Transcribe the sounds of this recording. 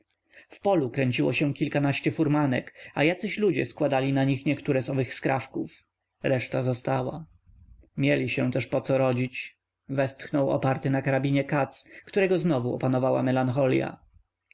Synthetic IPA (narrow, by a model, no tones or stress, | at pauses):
fpɔlukɾɛɲt͡ɕiwɔ̰ɕɛ̃kʲilkanaɕt͡ɕɛfuɾmanɛ̰kajat̪sɘɕlud͡ʑɛ̰skwad̪alʲinaɲixɲɛkt̪uɾɛzɔvɘxskɾa̰fkuf | ɾɛʂt̪azɔst̪awa | mʲjɛlʲiɕɛ̃t̪ɛʂpɔt̪sɔɾɔd͡ʑit͡ɕ | vɛst̪xnɔwɔ̰paɾt̪ɘnakaɾabʲiɲɛkat̪skt̪uɾɛɡɔznɔvuɔ̰panɔvawa̰mɛlaŋxɔlʲja̰